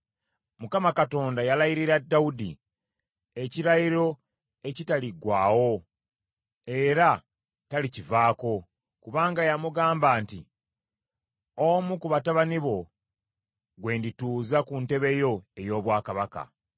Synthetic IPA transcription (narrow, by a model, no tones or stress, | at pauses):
mukamakato̞ːndajalajiɾiɾadːaudḭ | e̞ciɾajiɾo̞ | e̞citaliɡwaːwo̞ | e̞ɾa | talicivaːko̞ | kuβaːŋɡajamuɡaːmbaːnti | omukuβataβaniβo̞ | ɡwe̞ːndituːzakunte̞βe̞jo̞e̞jo̞ːβwaːkaβaka̰